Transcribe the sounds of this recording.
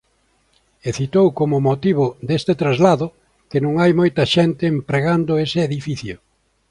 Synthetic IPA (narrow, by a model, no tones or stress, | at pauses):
eθit̪owkomʊmot̪iβʊd̪est̪et̪ɾazlaðʊ | kenõŋajmojt̪ɐʃent̪ɪːmpɾeɣand̪ʊesɪeðifiθjʊ